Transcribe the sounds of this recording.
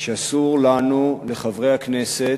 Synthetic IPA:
ʃeasuʁlanule̞χavʁe̞jhaknese

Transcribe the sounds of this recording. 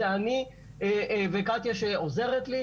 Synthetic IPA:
eani | evekat̪jaʃeoze̞ʁet̪li

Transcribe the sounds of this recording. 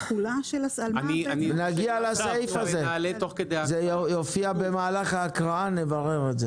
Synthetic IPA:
χulaʃelasalnianienaɡialasajfazelet̪oχked̪ezejofiabemaːlaχaːkʁaane̞vaʁeʁeze

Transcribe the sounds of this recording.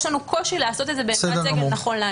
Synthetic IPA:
ʃlanuko̞ʃileaso̞t̪ed̪zebesedenaχo̞nlea

